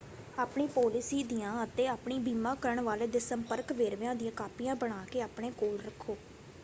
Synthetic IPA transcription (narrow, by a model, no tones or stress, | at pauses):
aːpɳiːpɔːlɪsiːd̪ijãːət̪eːaːpɳiːbiːmãːkəɾəɳʋaːleːd̪eːsəmpəɾkʋeːɾʋãːd̪ɪjãːkaːpijãːbəɽ̃aːkeːaːpɳeːkoːlɾəkʰːoː